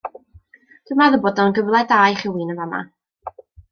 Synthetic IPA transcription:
d̥əmaðəbɔdɔnɡəvlˠɛdaːjχɪwinəvama̰

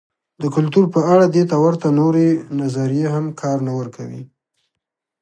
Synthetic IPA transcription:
d̪əkʊlt̪uɾpəaɽad̪et̪awəɾt̪anoɾenazaɾijeɦamkʰɑɾnawəɾkʰawḭ

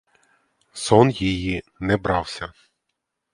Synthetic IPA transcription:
sɔnjijinɛbɾɑwsʲɐ

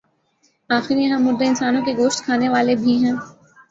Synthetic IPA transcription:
aːxɪɾijɐɦãmʊɾd̪eɪnsaːnõkeɡoːʃt̪kʰaːneʋaːlebʱiɦɛ̃ː

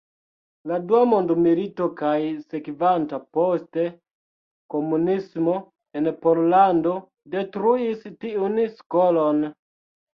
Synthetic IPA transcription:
laduamondmilito̞kajsekvantaposte | komunismo̞ | enpoɾlando̞ | de̞tɾuistiunskolon

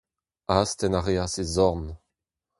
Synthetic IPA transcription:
ast̪ɛnaʁeasezɔʁn

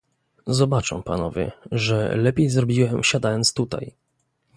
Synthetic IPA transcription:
zɔbat͡ʂɛ̰w̃panɔvʲjɛ̰ʐɛ̰lɛpʲjejzɾɔbʲiwɛmɕad̪ajɔnt̪st̪ut̪a̰j

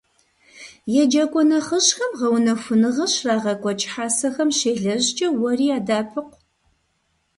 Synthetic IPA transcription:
jɛd͡ʒɐkʷʼɔnɐχəɕxɐmʁɐwnɐfʷʊnɨʁɐɕraːʁɐkʷʼɔt͡ʃʼħaːsɐxɐmʃeːɮɐʑt͡ʃʼɐwɔriːaːdaːpʰɨqʷ

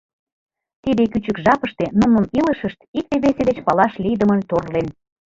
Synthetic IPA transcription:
t̪id̪ekyt͡ɕəkʒɑpəʃt̪enumnəniləʃəʃt̪ik̚t̪eβesed̪et͡ɕpɑlɑʃlijd̪əmənt̪orlen

